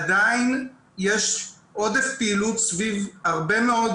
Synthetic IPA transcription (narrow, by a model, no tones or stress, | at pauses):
adain | jeʃ | ʔo̞d̪efpiːlut̪svivhaʁbe̞meo̞d̪